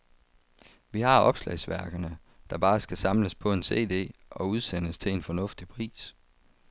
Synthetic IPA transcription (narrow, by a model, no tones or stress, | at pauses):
ʋihɑ̈ɒ̽b̥slɛ̰ɪsʋæɐɡ̥ɐnə | d̥ɑ̈b̥ɑ̈ːsɡ̥æsɑ̈mləspʰɒ̽e̝nse̝̰ːd̥e̝̰ːʔɒ̽uð̞ˠsen̰əst͡sʰe̝e̝nfɒ̽nɔ̽fd̥ipʰʁḭːs